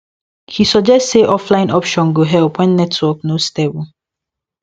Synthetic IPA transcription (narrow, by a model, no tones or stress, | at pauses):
hisɔd͡ʒɛstseʔɔflãɪ̃nɔpʃɔ̃nɡoɦɛlpwɛ̃nːɛtʰwɔk̚nostɛb